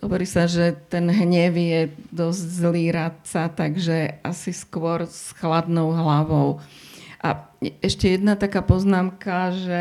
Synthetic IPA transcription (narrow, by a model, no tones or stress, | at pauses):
ɦɔʋɔɾiːsaʒɛt̪ɛnɦɲɛʋjɛd̪ɔzɟzliːɾat̪t͡sat̪aɡʒɛasiskʊɔɾsxlad̪nɔʊɦlaʋɔʊʔa̰ɛʃcɛjɛd̪nat̪akaːpɔznaːmkaʒɛ